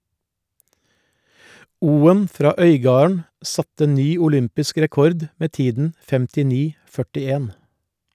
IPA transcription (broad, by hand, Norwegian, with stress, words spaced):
ˈuːən ˈfɾɑː ˈœʏˌɡɑːɳ̩ ˈsɑtə ˈnyː ʊˈlʏmpɪsk ɾɛˈkɔɾd ˈmeː ˈtiːdn̩ fɛmtɪˈniː ˈkɔmɑ ˈfœʈɪˌeːn